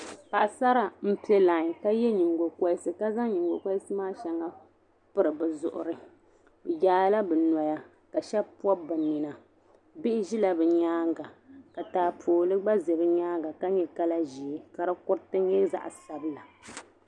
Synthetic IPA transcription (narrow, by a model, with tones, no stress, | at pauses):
pa˨ʔa˨sa˦ɾa˨m̩˦pi˦ɛ˦la˨ɲ˨ka˦jɛ˦ɲi˨ŋɡo˨ka˦sɨ˨ka˦za˦ŋ˦ɲi˨ŋɡo˨ka˦sɨ˦maː˦ʃɛ˨ŋa˦ | pɨ˦ɾɨ˨bɨ˨zʊ˨ʔʊ̰˨ɾɨ˨ | bɨ˨jaː˨˦la˦bɨ˨nɔ˨ja˦ | ka˨ʃɛ˦bpɔ˦bɨ˨ni˨na˨ | bɪ˦ʔɪ˦ʒi˦la˨bɨ˨ɲaː˦ŋɡa˨ka˨taː˨pʰoː˨lɨ˦ɡ͡ba˦ze˨bɨ˦ɲaː˦ŋɡa˨ka˦ɲɛ˨ka˦la˦ʒi˨e˦ka˨ɾɨ˦kʊ˦ɾtɨ˦ɲɛ˦za̰˦˨ʔsa˦bɨ˦la˨